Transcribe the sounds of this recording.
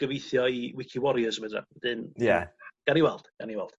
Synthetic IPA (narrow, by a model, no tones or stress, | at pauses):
ɡ̥əvejθjɔiwɪkʰiwɔɾiəsəmədra̰ð̥ɨnjaɡ̥aniwɛlˠd̥ɡ̥aniwɛlˠd̥